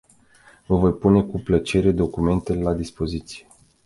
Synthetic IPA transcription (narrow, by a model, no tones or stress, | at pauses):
vəvo̞jpune̞kuplət͡ʃe̞ɾe̞d̪o̞kume̞nt̪elelad̪ispo̞zit̪sije̞